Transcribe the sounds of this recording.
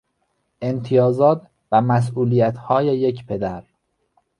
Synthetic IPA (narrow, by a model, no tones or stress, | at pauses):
ʔe̞nt̪ʰijɒːzɒːt̪ʰ | væmæs̬ʔuːlijæt̪ʰhɒːjeje̞cʰpʰe̞d̪æɾ